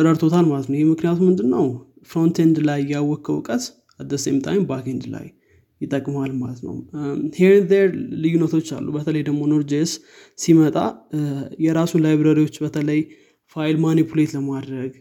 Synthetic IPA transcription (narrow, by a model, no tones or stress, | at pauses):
əɾəɾt̪ʰo̞t̪ʰalmalət̪nəwjhemɨknijat̪ʰumɨnd̪ɨnːəw | fɾo̞nt̪ʰend̪lajːawːɔkʰːəwkʼət̪ | ad̪ːəsemt̪ʼa̰jmbakend̪la̰jː | ɪt̪ʼːəkʼːmalmalət̪nə̰wheɾnd̪eɾlɨjːunət̪ʰo̞t͡ʃːa̰lːṵbət̪ʰələjd̪əɡmo̞noɾd͡ʒes | simət̪ʼa̰ | jɛɾasulajβɾəɾiwo̞t͡ʃːbət̪ʰələj | fajlmanipʰule̞t̪ləmad̪ɾəɡ